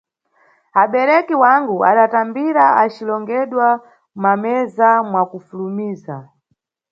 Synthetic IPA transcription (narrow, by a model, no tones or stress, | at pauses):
aɓɛɾɛkiwaŋɡuaɗatambiɾaat͡ʃilɔŋɡɛɗwa | mamɛzamwakufulumiːza